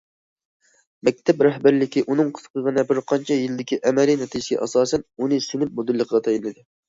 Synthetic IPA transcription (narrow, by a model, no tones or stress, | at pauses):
mmɛk̚ʲt̪ʰɛpɾɛhbæɾlɪkʲiʔunɨŋqʰə̥z̥qʰəʁənɨbɪɾqʰɑnt͡ʃʰɛjilɪd̪ɪkʲʰiʔɛmɛɾinɛt̪ʰid͡ʒɪsɪɡʲɛ̰ʔɑsɑːsɛnunɨsynyp̚mod̪ɨlːəqʰəʁɑt̪ʰɑjilɨd̪ɪ